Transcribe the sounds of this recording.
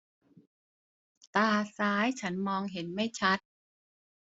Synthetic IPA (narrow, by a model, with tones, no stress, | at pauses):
t̪aː˧saː˦˥jt͡ɕʰa˦˥nmɔː˧ŋɦe˩˦nma˥˩jt͡ɕʰa˦˥t̪̚